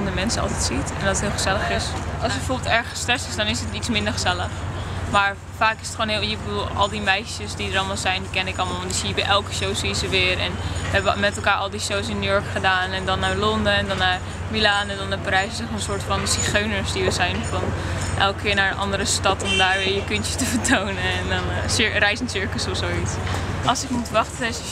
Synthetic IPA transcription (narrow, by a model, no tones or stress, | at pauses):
ndəmɛnsəɑ̰lˠtɛtsitɛndɔttɦɪːlˠχəz̥ɛləχɪsɑlˠsəbəfoːɹbɪlˠtɛɹχəstrɛstɪsdɑnɪsətitsmɪndəɹχəzɛləχmaːɹ | faːkɪ̥sə̥tχoːnɦɪjəbəduːlˠɑ̰lˠdimɛjʃəsdidəɾɑlˠmalˠzɛjndikɛnəɪkɑlˠmalˠʋɔndisiəbɛʔɛlˠkə̥ʃowziəzəʋɪːɹɛ̰nʋəɦɛbəmɛtɛlˠkaːɹʔɑlˠdiʃowsɪnːuːjɔɹkχədaːnɛndɑnːaːɹlɔndəɛndɑnːaːɹ | milaːnəndɑnabaɾɛjsɪsəənsʊːɹtfɑnsiχøɥnəɹsdiʋəzɛjnfɑnʔɛlˠkkʰɪːɹnaːɹənʔɑ̰ndəɾəstɑtɔmdaːɹʋɪjəkɵntətəvəɹtownəɛndɑnsɪrɛjsənsɪɹkəsɔfsowitsɑlˠsɪkmutʋɑχtəɛs